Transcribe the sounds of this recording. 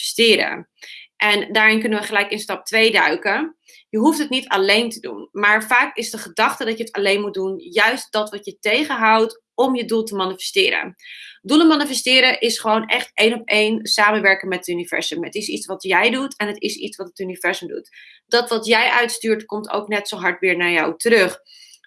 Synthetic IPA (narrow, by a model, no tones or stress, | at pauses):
stɪːɾə̰ʔɛndaːɹɪnk̬ɵnəʋəχəlɛjkɪnstɑp̚tʋejdœ̰ɥkə | jəɦuftətnitɑlejntədṵnmaːɹvaːkɪzdəχədɑχtədɑjəətɑlejnmut̚dunjœɥst̚d̥ɑtʋɑtjətejχəɦɑwt | ɔmjədulˠtəmanifɛ̥stɪːɾə̰dulənmɑːnifɛstɪːɾəʔɪsχəʋownʔɛχtʔejnɔpejnsaːmənʋɛɹkəŋmɛtətynivɛ̰ɹsəmə̰tɪsḭtsʋɑtjɛjdutɛnətɪsḭtsʋɑtətynivɛɹzəmdṵt | d̥ɑtʋɑtjɛjʔœɥtstyːɹtkɔmto̰wknɛtsowɦɑɹtʋɪːɹnaːɹjawtəɾɵχ